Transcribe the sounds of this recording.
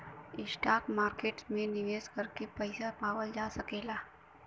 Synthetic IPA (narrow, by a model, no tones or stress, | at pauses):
ɪsʈakmaɾkeʈsmẽnɪʋeskəɾkepəjsapaʋəld͡ʒasəkela